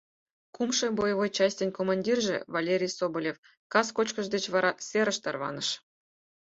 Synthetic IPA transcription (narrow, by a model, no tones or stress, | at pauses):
kumʂɤ̆bojəβojt͡ɕɑsʲtʲenʲkomɑnʲdʲirʒḛvalʲeɾʲijsobolʲef | kɑskot͡ɕkɤ̆ʐd̪et͡ɕʋɑɾɑsʲeɾə̆ʃt̪ɑrβɑ̰nɤ̆ʃ